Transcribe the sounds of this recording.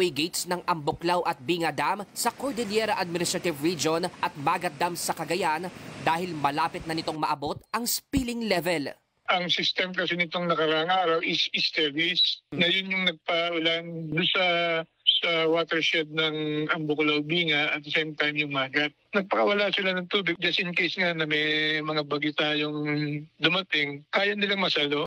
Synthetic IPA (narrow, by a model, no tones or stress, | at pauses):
ɛjɡejt̪snɐŋʔɐmbʊklawʔɐt̪̚biːŋɐd̪amsɐkoɹd̪ɛljɛɾɐʔɐd̪̚mɪnɪst̪ɾɐt̪ɪvɹid͡ʒonʔɐt̪̚maːɡɐt̪̚d̪amsɐkɐɡɐjand̪aːhɪlmɐlaːpɪt̪̚nɐnɪt̪o̞ŋmɐʔɐbo̞t̪̚ʔɐŋspilɪŋlɛvɛl | ʔɐŋsɪst̪ɛmkɐsɪnɪt̪o̞ŋnɐkɐɾaʔaŋaːɾɐwʔɪsɪst̪ɛɹvisnɐjʊnjʊŋnɐɡ̚pɐʔʊland̪ʊnsɐ | sɐwaːt̪ɛɹʃɛd̪̚nɐŋɐmbokɐlɐʊbiːŋɐʔɐ̰t̪̚ɐsejmt̪ajmjʊŋmaːɡɐt̪̚nɐɡ̚pɐkɐwɐlaːsɪlanɐŋt̪uːbɪɡ̚d͡ʒɐst̪ɪnkejsŋɐjonɐmɛmɐŋabɐɡɪt̪aːjoŋd̪ʊmɐt̪ɪŋkaːjɐnɪlaŋmɐsalo̞